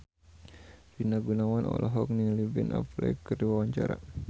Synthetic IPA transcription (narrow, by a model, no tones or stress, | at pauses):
finaɡunawanʔɔ̰lʔɔɦɔk̚nilibɛnʔa̰plɛ̰kəriwawaɲt͡ʃaɾa̰